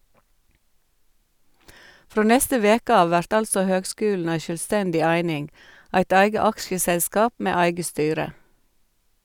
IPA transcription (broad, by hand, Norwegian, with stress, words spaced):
ˈfɾoː ˈnɛstə ˈʋeːkə ˈɑːʋ ˈʋæɾt ˈɑlsɔ ˈhøːɡˌskʉːln̩ ˈæɪ ʃœlˈstɛndɪ ˈæɪnɪŋ ˈæɪt ˈæɪɡə ˈɑkʃəˌsɛskɑːp ˈmeː ˈæɪɡə ˈstyːɾə